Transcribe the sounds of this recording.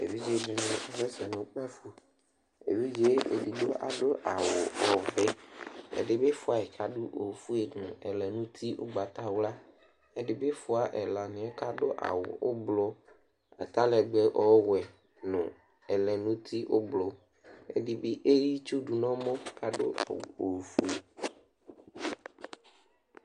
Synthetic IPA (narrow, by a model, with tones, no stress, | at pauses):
ḛ˨vi˦d͡ʒe˦ɖe˨nã˦˨a˨ve˦si˨a˨nẽ˨˦k͡pɛ˦fu˦ | ḛ˨vi˦d͡ʒe˦ḛ˨di˨do˦ʔa̰˨ɖo˦ʔa˨wo˨ɔ˨ve˦ḛ˨ɖe˨be˦fu˦a˨e˨ka˨ɖu˦ʔo˨fu˦e˨nũ˨ɛ˨lɛ˨nũ˦t̪ʰi˦o̰˦ɡ͡ba˨t̪a˦wla˦ | e˦ɖe˨be˦fu˦a˨ʔɛ˨la˨nĩ˨˦e˦ka˦ɖo˦ʔa̰˨wo̰˨o̰˦blɔ˦ | a̰˨t̪a˦lɛ˨ɡ͡bɛ˦ʔɔ˦wɛ˨ | nɔ̃˨ | ɛ˨lɛ˨nũ˦t̪ʰi˦ʔo˦blɔ˦ | ḛ˦ɖi˨be˦ʔe˦ji˦t͡ʃu˦ɖu˨nɔ̃˦mõ˦ka˨ɖo̰˦˨wo˨fu˦e˨